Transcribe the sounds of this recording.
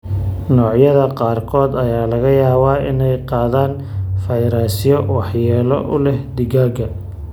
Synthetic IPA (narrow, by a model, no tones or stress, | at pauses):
nɔːʕjɐðɐqɑːrkʰɔːd̪ɐjaːlɐɣɐjaːβaːɪ̰nɛjqɑːðaːn | fɐjɾaːsɪjɔwɑħjɛːlɔ̰ʔʊlɛhd̪ɪɣaːɡɐ